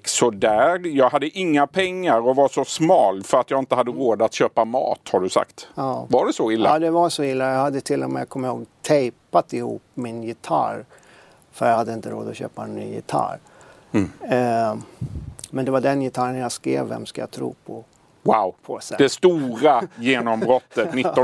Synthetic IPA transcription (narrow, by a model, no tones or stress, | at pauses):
sɔd̪æːɾjɑːɡhad̪ːəʔɪŋːapʰɛŋːaɾɔvaʂɔsmɑːlfœɾat̪jɑɡɪnt̪əhad̪ːəɾoːd̪at̪ɕøːpamɑ̰ːt̪haɖɵsa̰kt̪ɑːvaɖɛsɔɪlːad̪ɛvasɔɪlːajahad̪ːət̪ʰɪlːɔmɛ̰jakʰɔmːɪhoːɡt̪ʰɛjpat̪ɪhṵːpmɪnjɪt̪ʰa̰ɾ | fœɾjahad̪ːəɪnt̪əɾo̰ːd̪ɔɕø̰ːpaɛnːy̰ːjɪ̰t̪ʰa̰ɾ | mɛnd̪ɛvaɖɛnjɪt̪ʰaɾənjaskɾḛːvːɛ̰mskaja̰t̪ʰɾṵːpʰɔ | wawpʰɔɛd̪ɛst̪uːɾajeːnɔmbɾɔt̪ːət̪nɪɔ